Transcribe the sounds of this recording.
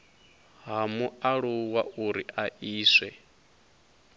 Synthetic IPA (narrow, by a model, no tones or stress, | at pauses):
ɦamuaɺuwauɾiʔaʔiːsɛ